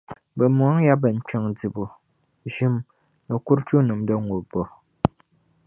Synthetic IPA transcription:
bɛ˨mu˨a˦ŋ˦ja˦bɛ˨n̩˨˦t͡ʃə˦˨ŋd͡zi˨bu˨ | ʒi˦m | nə˨ku˦ɾt͡ʃu˦nɨ˨mdɔ˦ŋ̩˨ɡo˨bɔ˨

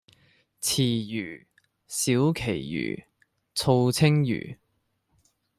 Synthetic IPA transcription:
t͡sʰiː˨˩jyː˨˩ | siː˨˥wkʰe˨˩jjy̰ː˨˩ | t͡sʰo˧wt͡sʰɪ˥ŋjy̰ː˨˩

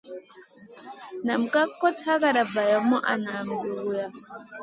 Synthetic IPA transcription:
na˨m̩˨ka˦kːɔ˦ta˦ka˦˨ɾa˨ba˨ja˨mɔ˦ʔa˨naː˨m̩˨ɡu˨u˨ja˨

